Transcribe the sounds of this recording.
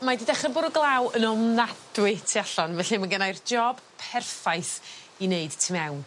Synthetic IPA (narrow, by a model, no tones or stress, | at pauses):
madidɛχənbʊɾɔɡlˠawənɔmnadwɪtʰiaɬɔnvɛɬimanɡənajrd͡ʒɔb̥pʰɛrfajθ | ineɨd̥tʰimɛwn